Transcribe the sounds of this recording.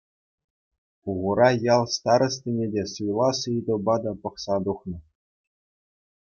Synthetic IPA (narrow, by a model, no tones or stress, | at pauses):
uʁuɾɑjɑlˠst̪ɑɾɤ̆stʲenʲedʲesɯjlˠɑsɯjd̪ɤ̆bɑd̪ɑpɤ̆χsɑd̪uχnɤ̆